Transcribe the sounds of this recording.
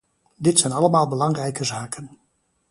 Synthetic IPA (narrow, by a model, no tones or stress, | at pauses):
dɪtsɛjnɑləmaːlˠbəlɑŋrɛjkəzaːkən